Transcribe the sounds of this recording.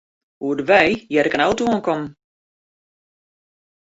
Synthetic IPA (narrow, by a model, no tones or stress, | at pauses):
uədəʋɛjjɛɾɪkənawtuənkɔm